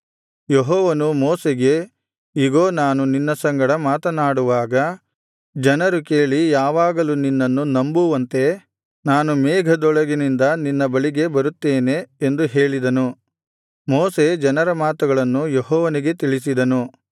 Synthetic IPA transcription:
jeɦɔːʋɐnumɔːseɡe̞ | iɡoːnaːnuninːɐsɐŋɡɐɽɐmaːt̪ɐnaːɽuʋaːɡɐ | d͡ʒɐnɐɾukeːɭijaːʋaːɡɐluninːɐnːunɐmbuʋɐnt̪e̞ | naːnumɛːɡʱɐd̪ɔɭɐɡinind̪ɐninːɐbɐɭiɡe̞bɐɾut̪ːeːne̞ːnd̪uɦe̞ːɭid̪ɐnu | moːse̞d͡ʒɐnɐɾɐmaːt̪ɐɡɐɭɐnːujeɦɔːʋɐniɡe̞t̪iɭisid̪ɐnu

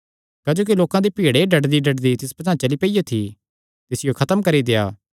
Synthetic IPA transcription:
kɐd͡ʒoːk̬iloːkãd̪epiːɽeɖɐɖd̪iɖɐɖd̪it̪ɪspɐt̪ãːt͡ʃɐlipɐijat̪ʰi | t̪ɪsɪjokʰɐt̪əmkɐɾid̪eːaː

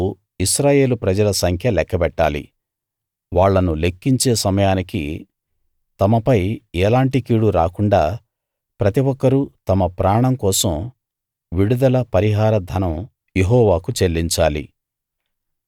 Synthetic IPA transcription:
iʃɾaːje̞ːlupɾɐd͡ʒɐlɐsɐŋkʰjɐlɛkːɐpɛʈːaːlḭ | ʋaːɭːɐnule̞kːiɲt͡ʃeːsɐmɐjaːnikḭ | t̪ɐmɐpɐjɛːlaːɳʈikiːɽuɾaːkuɳɖaː | pɾɐt̪iʋɔkːɐɾut̪ɐmɐpɾaːɳɐmkɔːsɐm | ʋiɽud̪ɐlɐpɐɾiɦaːɾɐd̪ʱɐnɐm | jeɦɔːʋaːkut͡ʃelːiɲt͡ʃaːlḭ

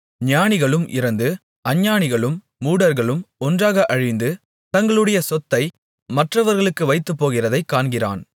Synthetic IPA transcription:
ɲɪjaːnɪɣɐɭɯmʔɪ̰ɾɐnd̪ɯ | ʔɐɲːaːɳɪɣɐɭɯmː | uːɽɐɾɣɐɭɯmɔndraːɣɐʔɐɻɪnd̪ɯ | t̪ɐŋɡɐɭɯɽɐjɐsɔt̪ːɐɪ | mɐʈrɐʋɐɾɣɐɭɯkːɯʋɐɪt̪ːɯpːoːɣɪrɐðɐɪkːaːɳɡɪra̰ːn

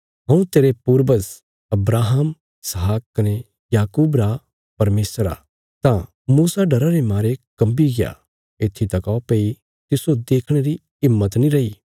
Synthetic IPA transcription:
ɦɐ̃ũt̪eːɾepuːɾbəz | ɐbɾaːɦəm | ɪsɦaːkkːɐne | jaːkuːbɾa | pɐɾmeːsɾa̰ | t̪ã | muːsaɖɐɾaɾemaːɾekɐ̃mbiɡɪja̰ | ɪt̪ʰːit̪ɐkɔpeːi | t̪ɪsod̪eːkʰɽ̃eɾi | ɪmːət̪nĩɾɐiː

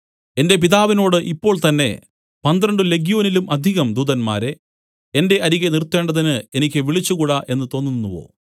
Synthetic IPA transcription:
e̞nde̞p̬iðaːʋino̞ːɽɨʔipːo̞ːɭt̪ɐnːe̞̰ | pɐnd̪rɐɳɖɨle̞ɡjoːnilumɐd̪ʱiɣɐmd̪uːðɐnma̰ːɾe̞ | ende̞ʔɐɾiɣenirt̪ːe̞ːɳɖɐðinɨe̞nikʲːɨʋiɭit͡ɕːukuːɽɐʔe̞nːɨt̪o̞ːnːunːuʋo̞̰ː

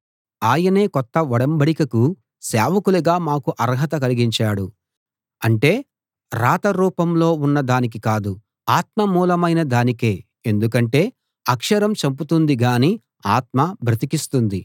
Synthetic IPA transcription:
aːjɐne̞ːkɔt̪ːɐʋɐɽɐmbɐɽikɐku | sɛːʋɐkuluɡaːmaːkuʔɐɾɦɐt̪ɐkɐliɡiɲt͡ʃaːɽu | ɐɳʈe̞ː | ɾaːt̪ɐɾuːpɐmlo̞ːunːɐd̪aːnik̬ikaːd̪u | aːt̪̚mɐmuːlɐmɐjnɐd̪aːnike̞ː | end̪ukɐɳʈe̞ː | ɐkʂɐɾɐmt͡ʃɐmput̪und̪iɡaːniː | aːt̪̚mɐbʱɾɐt̪ikist̪und̪i

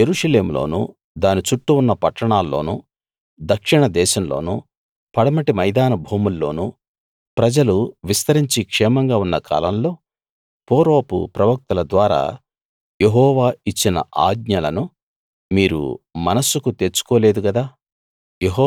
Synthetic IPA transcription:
jeɾuːʂɐle̞ːmulo̰ːnṵ | d̪aːnit͡ʃuʈːuːnːɐpɐʈːɐɳaːlːo̞̰ːnṵ | d̪ɐkʂiɳɐd̪ɛːʃɐmlo̞̰ːnṵ | pɐɽɐmɐʈimɐjd̪aːnɐbʱuːmulːo̞̰ːnu | pɾɐd͡ʒɐluʋist̪ɐɾiɲt͡ʃikʂɛːmɐŋɡaːunːɐkʰa̰ːlɐmlo̞ː | poːɾoːpṵpɾɐʋɐk̚t̪ɐlɐd̪ʋaːɾa̰ː | jeɦɔːʋaːit͡ʃːinɐ̰a̰ːɡɲɐlɐnu | miːɾṵmɐnɐsukut̪elt͡ʃu̥koːle̞ːd̪uɡɐd̪aː | jeɦː

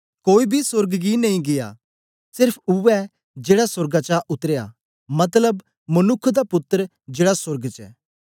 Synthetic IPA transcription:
koːibʱisʊɾɡɡinɐĩɡɪja̰ | sɪɾpʰʊʋɛ | d͡ʒeːɽasʊɾɡat͡ʃaʔʊt̪əɾeja̰ | mɐt̪̬ləb | mənʊkʰːd̪apʊt̪ːəɾ | d͡ʒeːɽasʊɾɡt͡ʃɛ̰ː

